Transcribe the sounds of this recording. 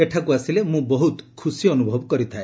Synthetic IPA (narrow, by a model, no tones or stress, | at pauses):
eʈʰakuasilemũbɔɦut̪kʰusiɔnubʱɔbɔkɔɾit̪ʰae